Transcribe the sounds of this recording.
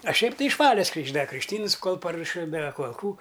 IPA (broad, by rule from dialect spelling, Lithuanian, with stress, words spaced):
ɐ ˈʃʲɛɪp ˈtɐɪ ɪʃ ˈʋɑːlʲɛs krʲiːɡʒˈdɐ krʲɪkʃʲˈtʲiːns ˈkoːlˠ pɐruɔˈʃʲɪ dɐ koːlˠ kuː